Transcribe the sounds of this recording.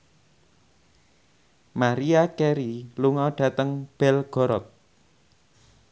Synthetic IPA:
maɾiakeɾiluŋɔɖ̥ä̤t̪əŋb̥ɛlɡ̥ɔɾɔt̪̚

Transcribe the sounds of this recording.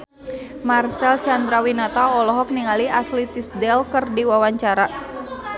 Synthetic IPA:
marsɛlt͡ʃand̪ɾawinɔt̪aɔlɔɦɔk̚niŋaliaslit̪isdɛlkɨrdiwawaɲt͡ʃaɾa

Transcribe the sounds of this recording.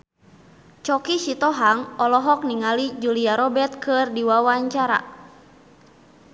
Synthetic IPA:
t͡ʃɔkisit̪ɔɦaŋɔlɔɦɔk̚niŋalid͡ʒuliaɾɔbɛt̪̚kʰɨrdiwawaɲt͡ʃaɾa̰

